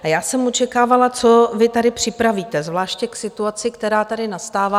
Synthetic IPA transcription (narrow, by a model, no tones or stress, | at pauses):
ajaːsɛmot͡ʃɛkaːvalat͡sovɪt̪adɪpr̝̥ɪpɾaviːt̪ɛzvlaːʃcɛksɪt̪uat͡sɪkt̪ɛɾaːt̪adɪnast̪aːvaː